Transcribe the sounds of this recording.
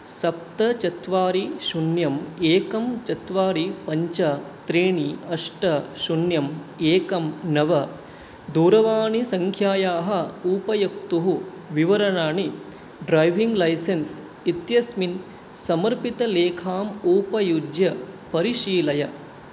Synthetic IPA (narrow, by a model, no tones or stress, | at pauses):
sɐp̚t̪ɐt͡ʃɐt̪ʋaːɾiʃunjɐmeːkɐmt͡ʃɐt̪ʋaːɾipɐɲt͡ʃɐt̪ɾeːɳiɐʂʈɐʃunjɐmeːkɐmnɐʋɐ | d̪uːɾɐʋaːɳisɐŋkʰjaːjaːɦɐ̆uːpɐjɐk̚t̪uɦu | ʋiʋɐɾɐɳaːɳi | ɖɾɐjʋiŋɡlɐjsens | it̪jɐsmin | sɐmɐɾpit̪ɐleːkʰaːmuːpɐjud͡ʒjɐpɐɾiʃiːlɐjɐ